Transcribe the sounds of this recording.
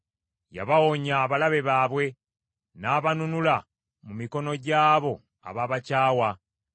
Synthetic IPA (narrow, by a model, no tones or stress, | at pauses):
ja̰βawoɲaːβalaβe̞βaːβwe̞ | naːβanunula | mumiko̞no̞ɟaːβo̞ | a̰βaːβacaːwa